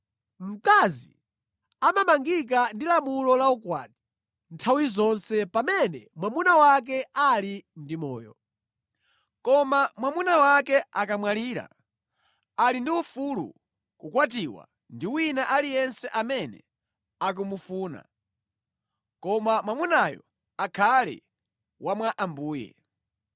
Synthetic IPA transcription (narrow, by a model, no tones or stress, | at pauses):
m̩kazḭ | amamaŋɡik̬andilamulɔlaukwaːti̥ | ntʰawizɔnsɛpamɛnɛmwamunawak̬ɛalindimɔ̰ːjɔ̰ | kɔmamwamunawakɛʔakamwaliːɾa̰ | alindiufulṵ | kukwatiwa̰ | ndiwinaʔalijɛnsɛʔamɛnɛ̰ | ak̬umufuːna̰ | kɔmamwamunajɔ̰ | akʰalɛ̰ | wʔamwaʔambuːjɛ̰